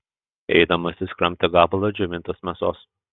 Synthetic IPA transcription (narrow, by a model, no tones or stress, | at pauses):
ɛ̰ɪd̪ɐmɐsʲɪskɾɐmʲt̪ʲɛɡɑːbɐlˠɐd͡ʒʲɛʋʲɪnt̪osmʲɛsoːs